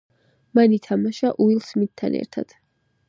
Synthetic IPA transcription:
manit̪ʰamaʃaʔuilˠsmit̪t̪ʰːa̰nɛ̰ɾt̪ʰa̰d̪̥

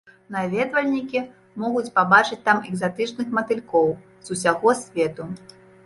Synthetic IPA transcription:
navʲɛd̪vɐlʲnʲikʲi | mɔɣut͡sʲpabat͡ʂɨt͡sʲt̪amɛɡzat̪ɨt͡ʂnɨxmɐt̪ɨlʲkɔw | zusʲaɣɔsʲvʲɛt̪u

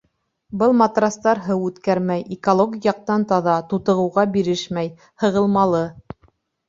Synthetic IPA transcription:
bɤlˠmɑt̪rɑst̪ɑɾɦɤwʉt̪kæɾmæjʔikolˠoɡʲjɑq̚t̪ɑnt̪ɑðɑt̪ut̪ɤ̆ʁɤ̆wʁɑbiɾɘʃmæj | hɤ̆ʁɤ̆lˠmɑlˠɤ

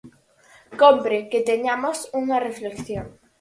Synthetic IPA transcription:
kompɾeket̪eɲamosuŋɐreflekθjoŋ

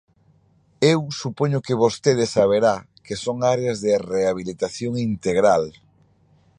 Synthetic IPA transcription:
ewsupoɲʊkɪβost̪eðɪsaβ̞eɾa | kesoŋaɾeazðɪreaβ̞ilit̪aθjoŋint̪eɣɾal

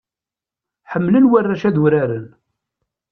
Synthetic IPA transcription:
ħəmːlənwərːæʃæðuɾæɾən

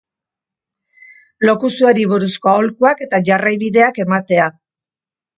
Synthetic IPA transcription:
lo̞kusuaɾiβuɾusko̞aolkuake̞t̪aʝarajβiðe̞ake̞mat̪e̞a

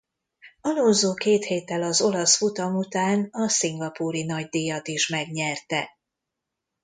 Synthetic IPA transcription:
ɒlozoːkeːt̪heːt̪ːɛlɒzo̞lɒsfut̪ɒmut̪aːnɒsiŋɡɒpuːɾinɒɟd̪iːjɒt̪iʃmɛɡɲɛrt̪ɛ̰

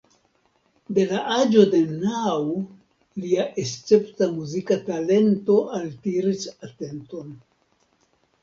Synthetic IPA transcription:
de̞laʔad͡ʒo̞de̞naw | liaʔest͡se̞ptamuzikatale̞nto̞ʔaltiɾisate̞nto̞n

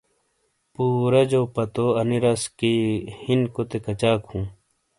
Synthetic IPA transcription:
puːɾɐd͡ʑopɐt̪oɐniɾɐskihinkot̪ekɐt͡ɕaːkhũː

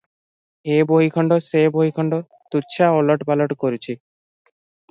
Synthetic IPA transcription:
eboɦikʰɔɳɖoseboɦikʰɔɳɖo | t̪uɾt͡ɕʰaoloʈbaloʈkoɾet͡ɕʰi

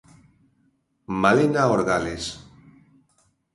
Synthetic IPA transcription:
malenaoɾɣales

